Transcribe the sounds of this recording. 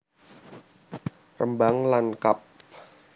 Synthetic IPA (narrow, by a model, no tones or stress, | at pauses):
rəmbaŋlankap̚